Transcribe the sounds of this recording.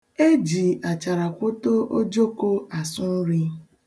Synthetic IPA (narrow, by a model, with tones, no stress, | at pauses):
e˦d͡ʒi˨a˨t͡ʃa˨ɾa˨kʷʊ˦to˦o˦d͡ʒo˦ko˦a˨sʊ˦n̩˦ɾi˦